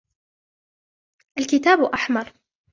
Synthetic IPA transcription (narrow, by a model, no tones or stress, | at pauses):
ʔalkɪt̪aːbuʔaħmɑɾˤ